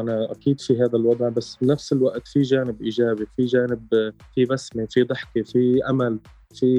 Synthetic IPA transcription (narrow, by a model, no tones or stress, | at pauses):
ʔanaʔakiːd̪fiɦaːðalwɑd̪ˤʕbasːbnafsɪlwaʔt̪fiʒaːnɪbʔiːʒaːbifiʒaːnɪb | fibasmefid̪ˤɨħkefiʔamal | fi